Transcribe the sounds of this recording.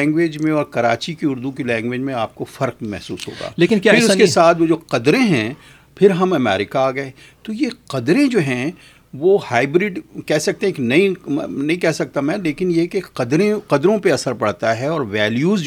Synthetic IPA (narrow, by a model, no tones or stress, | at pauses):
ŋɡʋeːd͡ʒmẽɔːɾkɐɾa̰ːt͡ʃikiʊɾd̪ukilɛ̃ːŋɡʋeːd͡ʒmẽaːp̚kofɐɾqmɛ̰ɦsṵːsɦo̰ːɡa̰ːleːkɪnkaɪɾʊskesaːt̪ʰʋod͡ʒoːqɐd̪ɾẽɦɛ̃ | pʰɪɾɦɐmɐmɛ̰ːɾɪkaaːɡɐe | t̪ojeqɐd̪ɾẽd͡ʒoːɦɛ̃ | ʋohaːɪbɾɪɖkɛɦsɐk̚t̪ẽɦeːknɐinɐɦĩkɛɦsɐk̚t̪amɛ̃ːleːkɪnjekeqɐd̪ɾẽqɐd̪ɾõpeɐsəɾpɐɽt̪aɦɛɔːɾʋɛːljuːz